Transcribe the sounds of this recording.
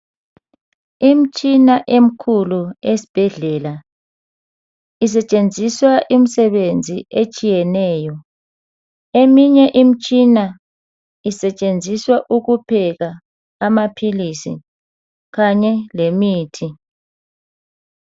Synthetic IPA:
im̩t͡ʃʼinaʔem̩kʰuluesi̥b̥ʱɛɮɛla | is̬ɛt͡ʃʼend͡zʱiswaʔim̩sɛβend͡zʱiet͡ʃʼijɛnɛːjɔ | emiɲɛʔim̩t͡ʃʼina | isɛt͡ʃʼend͡zʱiswaʔuɣupʰɛɣaː | mapʰilisḭ | ɣaɲɛlemiːtʰi

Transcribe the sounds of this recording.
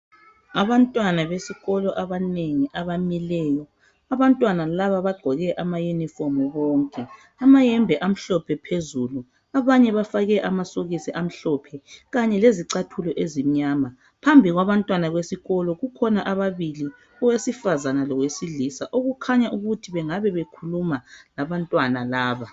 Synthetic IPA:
aβantʼwanaβesiɣɔlɔʔaβaneŋiʔaβamilɛːjɔ | aβantʼwanalaβaβaɡ͡ǃʱɔɣɛʔamajunifɔmuβɔːŋkʼɛ | amajɛmbʱɛʔam̩ɬɔpʰɛpʰezulu | aβaɲɛβafaɣɛʔamasoɣisiʔam̩ɬɔpʰɛɣaɲɛleziǀatʰulɔʔezim̩ɲaːma | pʰambʱiɣwaβantʼwanaɣwesiɣɔlɔɣukʰɔnaʔaβaβili | ɔwesifazanalɔɣwesilisaʔoɣukʰaɲaʔuɣutʰiβɛŋaβɛβekʰulumalaβantʼwanalaːβa

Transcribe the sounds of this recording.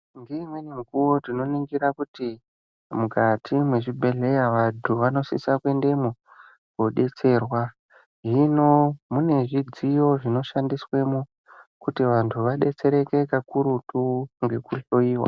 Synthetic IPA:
ŋɡeimwe̞nimukuwotino̞niŋɡirakuti | mukʰatʰimwe̞ʐibʱe̞ɮe̞jaʋandʰuʋano̞sḭsakwe̞nde̞mu | ɡo̞ɗe̞t͡se̞rwa | ɦino̞mune̞ʐid͡zijo̞ʐino̞ʃandiswe̞mu | kutiʋantʰuʋaɗe̞t͡se̞ɾe̞ke̞kakuɾutuŋɡe̞kuɬo̞iːwa̰

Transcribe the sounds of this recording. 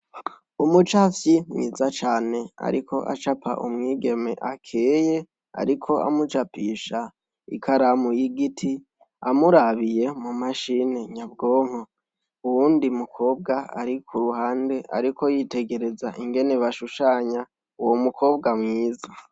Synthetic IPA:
umut͡ʃafjimŋḭːzat͡ʃaːne̞a̰ɾikʰo̞ʔa̰t͡ʃapa̰ʔṵmŋiːɡe̞me̞̰ʔakʰeːje̞ | a̰ɾikʰo̞ʔa̰mut͡ʃapiːʃa | ḭkʰaɾamujiɡitʰi | amuɾaβije̞mumaʃine̞ɲab̚ɡo̞ːŋ̥ho | uwuːndimukʰo̞ːb̚ɡaa̰ɾikʰuɾuɦaːnde̞ʔa̰ɾikʰo̞jite̞ɡe̞ɾe̞zaʔiŋɡe̞ne̞βaʃuʃaːɲa | uwomukʰo̞ːbɡamŋiːza

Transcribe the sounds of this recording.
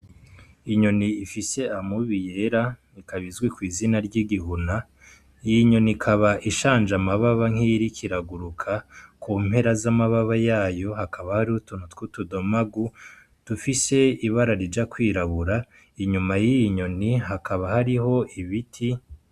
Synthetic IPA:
iɲo̞niːfise̞amuβije̞ɾanikaβizɡwikwiːzinaɾɟiɡihuna | ijiɲo̞nikʰaβaʔiʃaːnʒamaβaβaŋ̥iɾikʰiɾaɡuɾukʰakʰuːm̥he̞ɾazamaβaβajaːjo̞ɦakʰaβahaɾiutun̥utkutudomaɡu | d̥ufise̞iβaɾaɾid͡ʒakwiːɾaβuɾa | iɲumajijiɲo̞nihakaβahaɾiɦo̞iβitʰi

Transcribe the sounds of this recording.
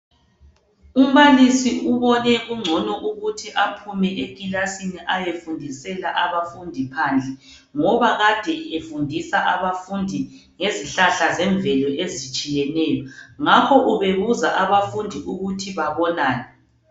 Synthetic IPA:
um̩βalisiuβɔnɛɣuŋ͡ǀʱɔnɔʔuɣutʰiʔapʰumɛʔeɣʼilasiniʔajefundʱisɛlaʔaβafundʱipʰand͡ɮʱɛ | ŋɔβaɣad̥ʱɛefundʱisaʔaβafundʱi | ŋeziɬaɬazɛɱbvɛlɔʔezit͡ʃʼijɛnɛjɔŋakʰɔʔuβeɣuzaʔaβafundʱiʔuɣutʰiβaβɔnaːnɛ

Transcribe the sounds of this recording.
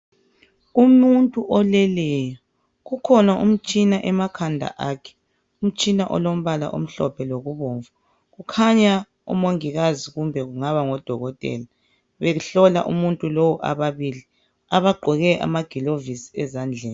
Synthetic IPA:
umuntʼuʔɔlɛlɛjɔ | ɣukʰɔnaʔum̩t͡ʃʼinaʔɛmakʰandʱa̰ʔaːkʰɛ̥ | um̩t͡ʃʼinaʔɔ̰lom̩βala̰ʔo̰m̩ɬɔ̰pʰɛloɣuβoːɱvu | ɣukʰaɲa | ṵmoŋiɣaziɣumbʱɛɣuŋaβaŋɔd̥ʱɔɣɔtʼɛ̰ːla | βeɣuɬɔla̰ʔṵmuntʼulowɔʔa̰βaβili | aβaɡ͡ǃʱɔɣɛʔa̰maɡ̥ʱilovisi̥ɛzand͡ɮʱɛːni

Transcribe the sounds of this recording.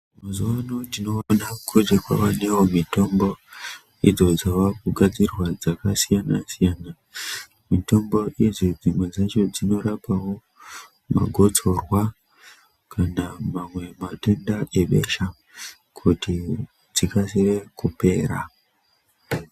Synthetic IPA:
muzuwanotino̞nakʰod͡ʒekwa̰ʋane̞womito̞mbo̞ | id͡zo̞d͡zaʋakuɡʱad͡zirwad͡zakasijanasijaːna | mito̞mbo̞ʔid͡zod͡zimwe̞d͡zat͡ʃo̞d͡zino̞ɾapawo̞ | ma̰ɡʱo̞t͡so̞rwa | kʰanamamwe̞matendae̞ɓe̞̰ʃa | kʰuti | d͡zikasire̞kupe̞ːɾa̰

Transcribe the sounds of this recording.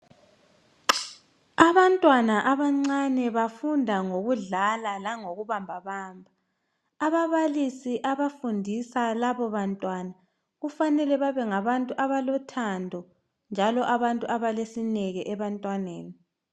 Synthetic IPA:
aβantʼwanaʔaβaŋ͡ǀanɛβafundʱaŋoɣuɮalalaŋoɣuβambʱaβaːmbʱaː | βaβalisiʔaβafundʱisalaβɔβantʼwana | ɣufanɛlɛβaβɛŋaβantʼuʔaβalɔtʰandʱɔ | nd͡ʒʱalɔʔaβantʼuʔaβalesinɛɣɛʔɛβantʼwaneːni

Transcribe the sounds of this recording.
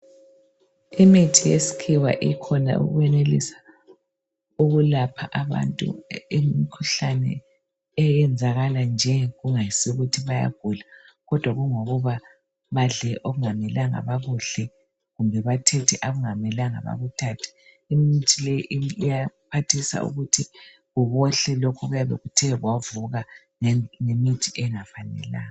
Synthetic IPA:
imitʰijesi̥kʰiwa̰ʔikʰɔna̰ṵɣuɛnelḭsḁ | uɣulapʰaʔaβa̰ntʼṵimikʰuɬanɛ̰ | ɛjɛnd͡zʱaɣaland͡ʒʱɛɣuŋajisiuɣutʰiβaja̰ɡ̥ʱula | ɣɔd̥ʱwaɣuŋoɣuβa | βaɮɛʔoɣuŋamɛlaŋa̰βaɣuɬɛ | ɣumbɛβatʰɛtʰɛʔaɣuŋamɛlaŋa̰βa̰ɣutʰatʰi̥ | imitʰilɛjʔijapʰatʰisa̰ṵɣutʰi | ɣuβɔɬɛlɔkʰɔɣujaβḛɣutʰɛɣwavuɣa | ŋemitʰiʔɛŋafanɛ̰la̰ːŋa

